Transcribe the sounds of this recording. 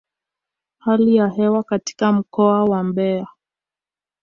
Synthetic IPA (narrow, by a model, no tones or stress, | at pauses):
halijaɦɛwakati̥kam̩kɔawambɛa